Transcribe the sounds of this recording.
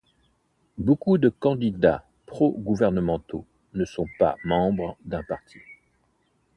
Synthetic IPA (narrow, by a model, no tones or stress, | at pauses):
bokud̪əkɑ̃d̪id̪a | pχɔɡuvɛʁnəmɑ̃t̪o | nəsɔ̃pa̰mɑ̃bʁd̪ɛ̃paʁt̪ʰi̥